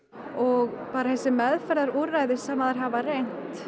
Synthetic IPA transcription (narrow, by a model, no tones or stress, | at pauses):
ɔɣpaːɾaθɛsːɪmɛðfɛɾðaɾuɾajðɪsɛmaðaɾ̥ɦavarejn̥t̪